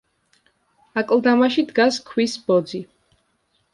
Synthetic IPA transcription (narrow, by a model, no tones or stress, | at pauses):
akʼlˠd̪amaʃid̪ɡaskʰwisbɔd̪zi